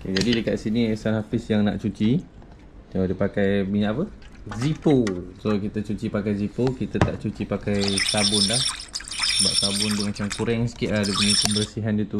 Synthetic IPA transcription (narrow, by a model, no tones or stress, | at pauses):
oked͡ʒadidəkaʔ̪̚siniɛsanhafɪsjaŋna̰ʔt͡ʃut͡ʃi | odəpakajmiɲãʔapə | ziposokit̪ət͡ʃut͡ʃipakajzipokit̪at̪a̰ʔt͡ʃut͡ʃipakajsabʊnlahsəbaʔsabʊnt̪umat͡ʃamkuɾɛŋsi̥kɪʔlahdəpəɲipəmbəɾsiɦandiət̪u